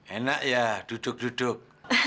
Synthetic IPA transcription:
enaʔjad̥ud̥ʊk̚d̥udʊk̚

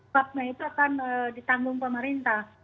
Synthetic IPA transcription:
ap̚nait̪uakanədit̪aŋɡʊŋpəmaɾint̪ah

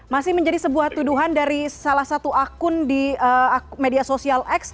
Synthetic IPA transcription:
masɪhməɲd͡ʒadisəbuaht̪uduɦandaɾisalahsat̪uakʊndiəamediasosialɛks

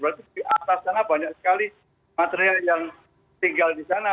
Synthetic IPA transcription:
bəɾat̪idiʔat̪asːanabaɲak̚sə̥kali | mat̪eɾialjaŋ | t̪iŋɡaldisana

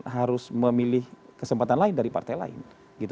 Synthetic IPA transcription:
ɦaɾʊsməmilɪhkəsəmpat̪anlaɪndaɾipa̰rt̪ajla̰ɪ̰n | ɡit̪

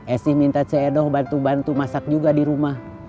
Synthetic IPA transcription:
ʔɛsihmint̪at͡ʃɛːdɔhbant̪ubant̪umasak̚d͡ʒuɡadiɾumah

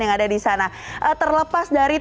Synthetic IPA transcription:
jaŋadadisana | ʔət̪ərləpasdaɾi

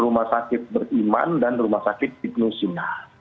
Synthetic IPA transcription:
rumahsakɪt̪̚bərima̰ndanrumahsakɪt̪̚it̪̚nusina

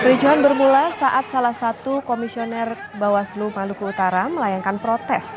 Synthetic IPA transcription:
pɾid͡ʒuɦanbərmulasaʔat̪̚salahsat̪ukomisionɛr | bawaslumalukuut̪aɾaməlajaŋkanpɾɔt̪ɛs

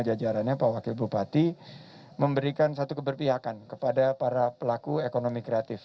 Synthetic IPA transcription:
d͡ʒad͡ʒaɾanɲapawakɪlbupat̪i | məmbəɾikansat̪ukəbərpiɦakankəpadapaɾapəlakuekonomikɾeat̪ɪf

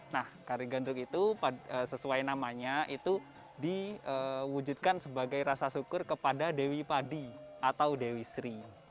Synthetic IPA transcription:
nahkaɾiɡandɾʊkit̪upaəsəsuajnamaɲaʔit̪u | diəwud͡ʒud̪̚kansəbaɡajɾasasukʊrkəpadadewipadiʔat̪awdewisɾi

